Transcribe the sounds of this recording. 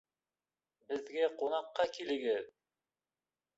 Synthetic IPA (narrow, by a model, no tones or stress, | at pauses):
bɘ̆ðɡæqunɑqːɑkilɘ̆ɡɘð